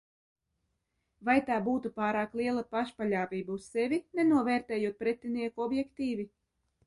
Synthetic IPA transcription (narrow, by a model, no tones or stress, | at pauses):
vajt̪aːbuːt̪upaːɾaːklˠiɛlˠapaʃpalʲaːvʲiːbaussevʲinɛnuɔvɛːɾt̪ɛːjuɔt̪̚pɾɛt̪ʲːiniɛkuɔbjɛkt̪iːvʲi